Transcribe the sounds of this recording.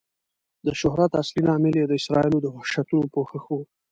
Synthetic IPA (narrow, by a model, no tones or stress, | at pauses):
d̪əʃʊɦɾat̪aslinɑmɪljed̪əɪsɾɑilod̪əhʊʃat̪unopoxəxo